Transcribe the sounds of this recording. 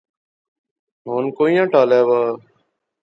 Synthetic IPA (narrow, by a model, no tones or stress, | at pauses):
ɦoːnkoːĩjãːʈaːlaːʋaː